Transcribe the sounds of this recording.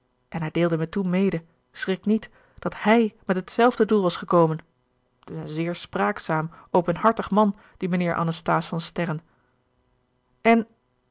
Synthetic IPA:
ʔɛnɦɛjdɪːlˠdəmɛtunmejdə | srɪknit | d̥ɑthɛjmɛtɦətsɛlˠvdədulˠʋɑsχəkowmən | tɪsənzɪːɹspraːksaːmʔowpənɦɑɹtəχmɑn | d̥imənɪːɹʔɑ̰nəstaːsfɑnstɛrən | ɛn

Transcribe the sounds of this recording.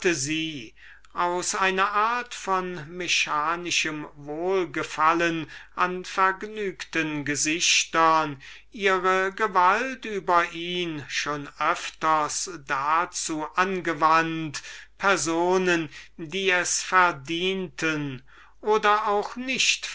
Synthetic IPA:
təziː | ʔaʊsʔaɪnɐʔaːɐtfɔnmeʃaːnɪʃəmvoːlɡəfalənʔanfɛɐɡnyːktənɡəzɪçtɐn | ʔiːʁəɡəvaltyːbɐʔiːnʃoːnʔœftɐsd̥at͡suːʔanɡəvantpʰɛɐzoːnəndiːɛsfɛɐdiːntʰən | ʔoːdɐaʊxnɪçt

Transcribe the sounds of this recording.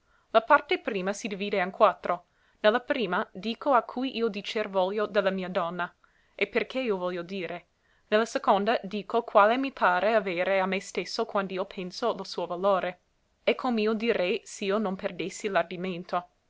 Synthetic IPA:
lapart̪epɾiːmasid̪iviːd̪eaŋkwat̪ːɾo | nelːapɾiːmad̪iːkʰoakʰːujʔiːod̪it͡ʃervɔljod̪elamiːad̪ɔnːa | eperkʰeiːovɔljod̪iːɾe | nelːasekond̪ad̪iːkokwaːlemipʰaːɾeaveːɾeamːest̪esːokwand̪oiːopʰensolosuːovaloːɾe | ekʰːomeiod̪iɾɛjseiːonomperd̪esːilard̪iment̪o

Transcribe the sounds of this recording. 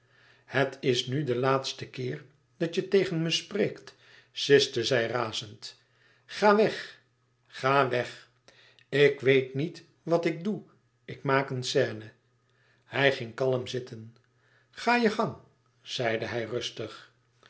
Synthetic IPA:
hətʰɪsnydəlaːtstəkɪːɹ | d̥ɑtjətejχənməspreːkt | sɪstəzɛjraːzənt | χaːʋɛχ | χaːʋɛχ | ɪkʋejtnit | ʋɑtɪk̚du | ɪkmaːkənsɛːnə | hɛjχɪŋkɑlˠəmzɪtʰən | χaːjəχɑŋ | z̥ɛjdəɦɛjrɵstəχ

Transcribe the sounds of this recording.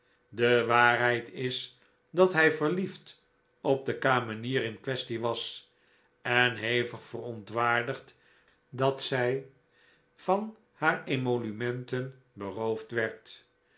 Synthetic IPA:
dəʋaːɹɦɛjtʰɪs | dɑtɦɛjvəɹlift | ɔb̚dəkaːməniːɾɪnkʋɛstiʋɑs | ɛnɦejvəχfərɔntʋaːɹdəχt | dɑtsɛj | v̥ɑn | haːɹemolymɛntən | bərowftʋɛɹt

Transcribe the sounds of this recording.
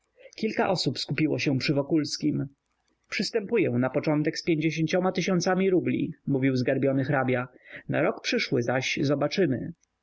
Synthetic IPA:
kʲilkaʔɔsupskupʲiwɔɕɛ̃pʂɘvɔkulskʲim | pʂɘst̪ɛmpujɛw̃napɔt͡ʂɔnt̪ɛkspʲjeɲd͡ʑeɕ̬eɲt͡ɕɔmat̪ɘɕɔ̃nt̪samʲiɾublʲḭmuvʲiwzɡaɾbʲjɔnɘxɾabʲjana̰ɾɔkpʂɘʂwɘzaɕzɔbat͡ʂɘmɘ̰

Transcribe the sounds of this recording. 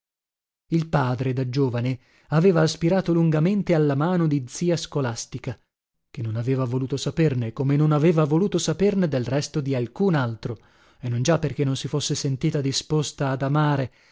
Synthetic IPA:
ilpaːd̪ɾed̪ad͡ʒoːvane | aveːvaːspiɾaːt̪oluŋɡament̪ealːamaːnod̪id̪z̥iːaskolast̪ika | k̟enːonaveːvavoluːt̪osapernekomenonaveːvavoluːt̪osaperned̪elrɛst̪od̪ialkunalt̪ɾo | enːond͡ʒapːerk̟enːonsifosːesent̪iːt̪ad̪ispost̪aːd̪amaːɾe

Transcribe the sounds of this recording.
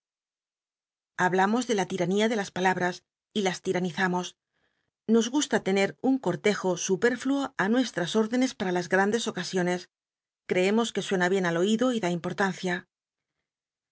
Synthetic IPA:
aβlamo̞zðe̞lat̪iɾaniaðe̞laspalaβɾas | ilast̪iɾaniθamo̞s | no̞zɣust̪at̪e̞ne̞ɾuŋko̞ɾt̪e̞xo̞supe̞ɾfluoanwe̞st̪ɾaso̞ɾðe̞ne̞spaɾalazɣɾand̪e̞so̞kasjo̞ne̞s | kɾe̞e̞mo̞ske̞swe̞naβje̞nalo̞iðo̞iðaimpo̞ɾt̪an̟θja

